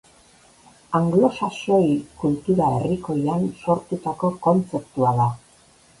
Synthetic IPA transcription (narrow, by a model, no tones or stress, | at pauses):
aŋɡlo̞saso̞jkult̪uɾaeriko̞janso̞ɾt̪ut̪ako̞ko̞nt͡se̞p̚t̪uaða